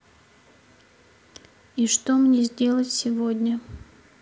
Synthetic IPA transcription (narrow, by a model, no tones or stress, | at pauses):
iʂt̪omnʲezʲdʲe̞lˠətʲsʲɪvodʲnʲə